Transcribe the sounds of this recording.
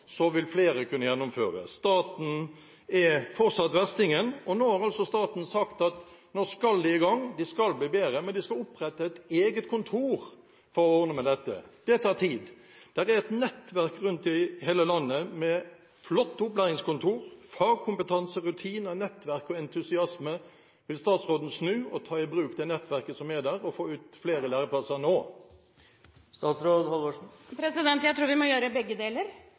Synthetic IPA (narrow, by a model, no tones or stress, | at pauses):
sɔʋɪlfleːɾəkʰʉnːəjɛnːʊmføːɾə̰st̪ɑːt̪n̩ | ɛfɔʁsɑt̪ːʋæʁst̪ɪŋənɔnoːhɑɾɑlsɔst̪ɑːt̪n̩sɑkt̪ɑt̪noːskɑld̪ɪɪɡɑŋd̪ɪskɑlbliːbeːɾəmɛnd̪ɪskɑlʊpʁɛt̪ːəɛt̪eːɡət̪kʰʊnt̪ʰuːɾ | fɔɾɔoːnəmɛd̪ɛt̪ːə̰d̪̥ɛt̪ʰɑːʁt̪ʰiːd̪ | d̪̥æɾæɾɛt̪nɛt̪ʋæʁkɾʉnt̪ɪheːləlɑnːəmɛ | flɔt̪ːʊplæʁɪŋskʊnt̪ʰuːʁfɑːɡ̚kʰʊmpət̪ʰɑnsəʁʉt̪ʰiːnənɛt̪ːʋæʁkɔɛnt̪ʰʉsɪɑsmə | ʋɪlst̪ɑːt̪sɾoːd̪n̩snʉːɔt̪ʰɑːɪbɾʉːkd̪ɛːnɛt̪ʋæʁkəsɔmɛd̪æʁɔfoːʉːt̪fleːɾəlæːɾəpʰlɑsənoː | st̪ɑːt̪sɾoːd̪hɔloʂpʰɾɛsɪd̪ɛnt̪jæt̪ʰɾuːʋɪmɔjøːɾəbɛɡːəd̪eːləɾ